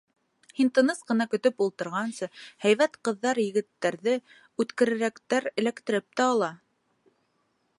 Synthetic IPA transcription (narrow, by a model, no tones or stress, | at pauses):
hint̪ɤ̆nɤsqɤ̆nɑkɵ̆t̪ɵpulˠt̪ɤ̆ɾʁɑnsɤhæjβæt̪qɤ̆ðːɑɾjɘ̆ɡɘ̆t̪ːæɾðɘ | ʉt̪kɘ̆ɾɘ̆ɾækt̪æɾɘ̆lækt̪ɘ̆ɾɘp̚t̪æɑlˠɑ